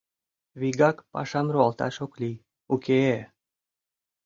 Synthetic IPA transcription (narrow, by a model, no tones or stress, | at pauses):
βiɡɑkpɑ̰ʃɑmruɑlt̪ɑ̰ʃoklʲi | ukʰee